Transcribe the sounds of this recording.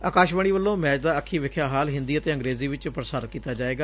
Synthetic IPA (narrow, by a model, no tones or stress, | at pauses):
a̰ːkaːʃʋəɳ̃iːʋəlːõːmɛːd͡ʒd̪aːəkʰiːʋɪkʰjaːɦaːlɦɪ̃nd̪iːət̪eːə̃ŋɡɾeːziːʋɪt͡ʃpɾəsaːɾkiːt̪aːd͡ʒaːeːɡaː